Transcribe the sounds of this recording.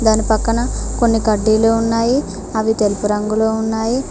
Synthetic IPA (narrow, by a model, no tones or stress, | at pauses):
d̪aːnipɐkːɐnɐko̞nːikɐɖːiːloːunːaːji | ɐʋit̪elupuɾɐŋɡuloːunːaːji